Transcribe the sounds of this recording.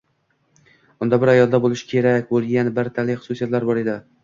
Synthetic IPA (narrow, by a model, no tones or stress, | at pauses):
ʊnd̪abɪɾajɒlˠd̪abolˠɪʃɪ̥kʲʰe̞ɾakʲbolˠɡʲanbaɾt̪ʰalɪjχʊ̥sʊsijat̪laɾbɒɾe̞d̪ɪ